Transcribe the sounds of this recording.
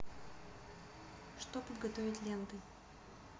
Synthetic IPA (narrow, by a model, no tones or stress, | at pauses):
ʂt̪opəd̪ɡɐt̪ovʲɪt̪ʲlʲent̪ɨ